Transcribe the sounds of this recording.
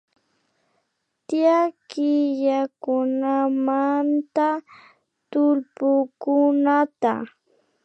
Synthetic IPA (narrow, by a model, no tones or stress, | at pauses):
t̪ɪjakɪʎakʊnamant̪a | t̪ʊlpʊkʊnat̪a̰